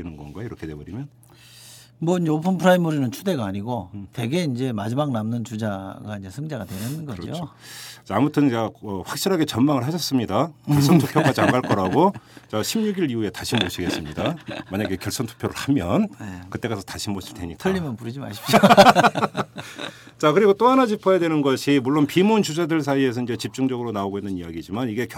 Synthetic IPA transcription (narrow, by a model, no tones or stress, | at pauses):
inɯnɡʌnɡʌjiɾʌkʰedebʌɾimjʌn | mwʌind͡ʑeopʰɯnpʰɯɾaimɯɾinɯnt͡ɕʰude̞ɡaːɲiɡote̞ɡe̞ind͡ʑe̞mad͡ʑimaɡ̚namnɯnt͡ɕud͡ʑaɡaind͡ʑe̞sʰɯŋd͡ʑaɡatwe̞nɯnɡʌ̰ot͡ɕeamutʰɯnkaʌɸwak̚ɕ͈iɾaɡe̞t͡ɕʌnmaŋɯɭhaɕʰʌs͈ɯmɲidajʌɭs͈ʌnttʰoppʰjoɡad͡ʑiaŋɡaɭk͈ʌɾaɡot͡ɕaɕʰimɲuɡiɾiue̞taɕʰimmoɕʰiɡe̞s͈ɯmɲidamaɲaɡe̞kjʌɭs͈ʌntʰu̥pʰjoɾɯɭhamjʌnkɯt͈e̞kasʰʌ̥taɕʰimoɕʰiɭt͈ʰe̞̰ɲikaʎːimjʌnpuɾid͡ʑima̰ɕʰipɕ | t͡ɕakɯɾiɡot͈oanad͡ʑipʰajadwe̞nɯnɡʌɕʰimuɭːonpimunt͡ɕud͡ʑadɯɭsʰaie̞s̬ʰʌind͡ʑe̞t͡ɕip̚t͡ɕ͈uŋd͡ʑʌɡɯɾonaoɡoinːɯnijaɡid͡ʑimaniɡe̞k